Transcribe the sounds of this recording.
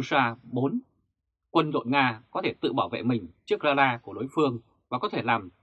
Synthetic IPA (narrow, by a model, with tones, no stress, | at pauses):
saː˧ɓo˨˦n | kwə˧nɗo̰˧˨nŋaː˧kɔ˨˦t̪ʰe˧˩t̪ɨ̰˧˨ɓaː˧˩wvḛ˧˨mï˨˩ŋ̟t͡ɕɨ˦˥ək̚zaː˧laː˧ku˧˩əɗo˨˦jfɨ˧əŋ | vaː˨˩kɔ˨˦t̪ʰe˧˩laː˨˩m